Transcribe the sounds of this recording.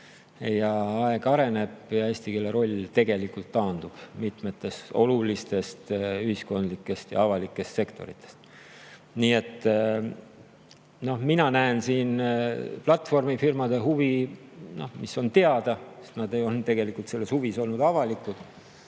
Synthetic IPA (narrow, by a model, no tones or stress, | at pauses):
ejɑɑeɡ̥ɑɾe̞ne̞b̥jɑesʲt̪ikelːeɾo̞lʲt̪e̞ɡe̞likult̪ːɑːnd̪̥ub̥mit̪met̪ːe̞st̪o̞lulist̪e̞st̪yhisko̞nd̪likːˑe̞st̪jɑ̰ɑvɑlikːˑe̞st̪se̞kt̪o̞̰ɾit̪ːˑe̥st̪ | niːe̞t̪ːˑ | no̞hminɑnæensiːnplɑt̪ːˑfo̞rmifirmɑd̪̥eɦuvino̞hmiso̞nt̪e̞ɑd̪̥ɑse̥st̪nɑd̪e̞jo̞lnt̪e̞ɡ̥e̞likːˑult̪se̞lːe̞shuviso̞lnud̪ɑvɑlikːˑud̪̥